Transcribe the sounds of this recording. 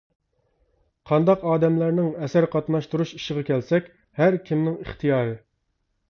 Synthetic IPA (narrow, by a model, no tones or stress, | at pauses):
qʰɑnd̪ɑqɑːd̪ɛmlæɾnɪŋɛsæɾqʰɑt̪nɑʃt̪uɾuʃi̥ʃɪʁɑkʲɛlsɛkʲ | hæɾkʲʰimnɪŋḭχt̪ʰɨjɑːɾɨ